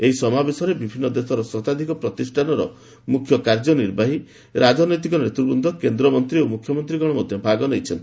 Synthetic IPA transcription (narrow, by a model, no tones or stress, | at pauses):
eɦisɔmabesɔɾebibʱinːɔd̪esɔɾɔsɔt̪ad̪ʱikɔpɾɔt̪isʈʰanɔɾɔ̰ | mukʰjɔkaɾd͡ʒɔniɾbʱaɦi | ɾad͡ʒɔnɔjt̪̬ikɔnɔɾet̪uɾbund̪ʱɔkend̪ɾɔmɔnt̪ɾiomukʰːjɔmɔnt̪ɾiɡɔɽ̃ɔmɔd̪ʱjɔpaɡɔnejt͡ʃʰɔnt̪i̥